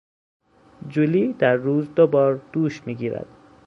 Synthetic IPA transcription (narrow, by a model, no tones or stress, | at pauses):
d͡ʒuliːd̪̥æɾːuːzd̪obɒːɾd̪̥uːʃmiːɡiːɾæ̰d̪̥